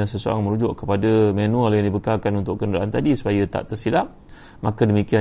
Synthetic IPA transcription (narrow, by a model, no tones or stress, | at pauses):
asəsoa̰ŋmə̃ɾud͡ʒʊʔkəpadamenũalajaŋdibəkalkanunt̪ʊʔkənuɾaʔant̪adisu̥pajət̪a̰ʔt̪ərsilaʔ | makədəmikia